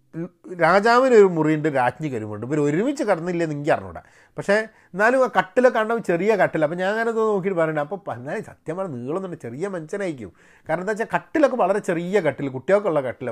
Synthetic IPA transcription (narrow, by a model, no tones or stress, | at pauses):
ɾaːd͡ʑaːʋinoɾumurijɳɖɨɾaːt͡ɕɲikɐɾumoɳɖɨp̬oːɾoɾumit͡ɕːɨkɐɽɐnːɐilːɐniŋɡiɐrɐ̰nːṵːɽɐ̰ | pɐkʂe̞ | enːaːlumakɐʈːilokːeaːɳɖapːt͡ɕerijɐkɐʈːilɐp̬ːoɲaːnŋːaːnet̪onoːk̬iʈːɨpɐrɐɲːɳɖɨmɐpːoːnːaːlsɐt̪jɐmaːnɐniːɐɭonːuɳɖɐt͡ɕerijɐmɐɲt͡ɕɐnaːjikʲːṵm | kaːɾɐɳenaːkt͡ɕːakɐʈːilo̞kːe̞ʋɐɭɐɾe̞t͡ɕe̞rijɐkɐʈːilkuʈːijoːkːeuɭːɐkɐʈːil